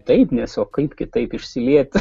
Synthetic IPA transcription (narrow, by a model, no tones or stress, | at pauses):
t̪ɐɪpnʲɛsoːkɐɪpkʲɪt̪ɐɪpɪʃʲsʲɪlʲiɛt̪ʲ